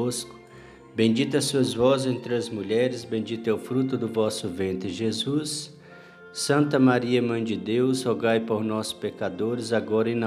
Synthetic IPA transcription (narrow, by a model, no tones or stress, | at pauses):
oskʊ̥ | bẽd͡ʒit̪ɐsuɐzvɔzẽnt̪ɾɪɐzmuʎɛɾɪzbẽd͡ʒit̪ɐwfɾut̪ʊd̪ʊvɔsʊvẽnt̪ɾɪʒezusː | ɐ̃nt̪ɐmaɾiɐmɐ̃j̃d͡ʒɪd̪ewzhoɡajpoɾnɔspekad̪oɾɪzaɡɔɾɐẽn